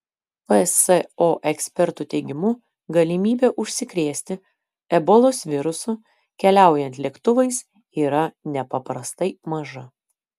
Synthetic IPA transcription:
pəsɛoːʔɛksʲpʲɛɾt̪ut̪ʲɛɪɡʲɪmʊ | ɡɐlʲɪmʲiːbʲeːʔʊʃʲsʲɪkɾʲeːsʲt̪ʲɪ | ɛbɔlˠoːsʋʲɪɾʊsʊ | kʲɛlʲæˑʊjɛnʲt̪ʲlʲeːkt̪ʊʋɐɪs | iːɾɐnʲɛpɐpɾɐst̪ɐɪmɐʒɐ

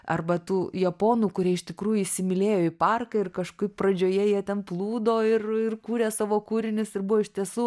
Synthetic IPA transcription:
ɐ̰rbɐt̪uːjɛpoːnuːkʊɾʲiɛɪʃt̪ʲɪkɾuːjʊisʲɪmʲɪlʲeːjoːɪpɐrkɐɪrkɐʃkʊɪpprɐd͡ʒʲoːjɛjiɛt̪ʲɛnplˠuːd̪oːɪrɪrkuːɾʲeːsɑːʋoːkuːɾʲɪnʲɪsɪrbʊʋoːɪʃʲt̪ʲiɛsuː

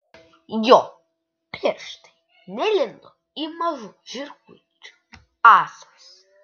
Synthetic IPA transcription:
jɔ | pʰɛʂt̪ʰɛ̥ | nɛlʲɛnd̪ɔ | imaʒuʒirku | ʈ͡ʂʼ | asḁs

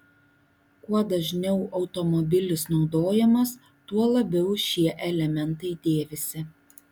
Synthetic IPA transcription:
kuɔd̪ɐʒʲnʲɛʊɒʊt̪ɔmɔbʲɪlʲɪsnɒʊd̪oːjɛmɐs | t̪uɔlˠɐbʲɛʊʃʲiɛʔɛlʲɛmʲɛnt̪ɐɪd̪ʲeːʋʲɪsʲɪ

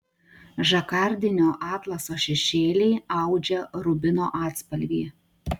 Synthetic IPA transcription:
ʒɐkɑˑɾʲd̪ʲɪnʲoːʔɑːt̪lˠɐsoːʃʲɛʃʲeːlʲɛːɐʊd͡ʒʲɛɾʊbʲɪnoːʔɑːt̪spɐlʲʋʲiː

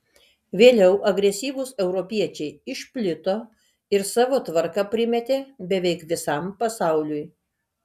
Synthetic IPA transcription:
ʋʲeːlʲɛʊʔɐɡɾʲɛsʲiːʋʊsɛʊɾɔpʲiɛt͡ʃʲɛɪɪʃʲpʲlʲɪt̪oː | ɪɾsɑːʋoːt̪ʋɐɾkɐpʲɾʲɪmʲɛt̪ʲeːbʲɛʋʲɛɪkʋʲɪsɐmpɐsɑˑʊlʲʊj

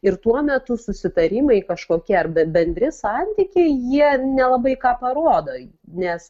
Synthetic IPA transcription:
ɪrt̪uɔmʲɛt̪ʊsʊsʲɪt̪ɐɾʲiːmɐɪkɐʃkoːkʲɛɐrbʲɛbʲɛnʲd̪ʲɾʲɪsɑnʲt̪ʲɪkʲeɪjiɛnʲɛlˠɐbɐɪkɑːpɐɾoːd̪oː | nʲɛs

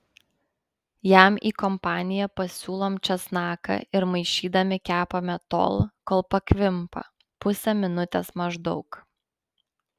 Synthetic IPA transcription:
jæmḭːkɔmpɑːnʲɪjɛpɐsʲuːlˠoːmt͡ʃʲɛsnɑːkɐ̰ʔɪɾmɐɪʃʲiːd̪ɐmʲɪkʲæːpoːmʲɛt̪o̰ːlˠkoːlˠpɐkʲʋʲɪmpɐ̰ | pʊsʲɛmʲɪnʊt̪ʲɛsmɐʒd̪ɒʊk

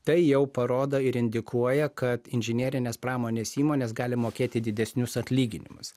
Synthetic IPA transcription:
t̪ɐɪjɛʊpɐɾoːd̪oɪɾɪnʲd̪ʲɪkuɔjɛkɐt̪ɪnʲʒʲɪnʲeːɾʲɪnʲeːspɾɑːmoːnʲeːsiːmoːnʲeːsɡɑːlʲɪmoːkʲeːt̪ʲɪd̪ʲɪd̪ʲɛsʲnʲʊsɐt̪ʲlʲiːɡʲɪnʲɪmʊs

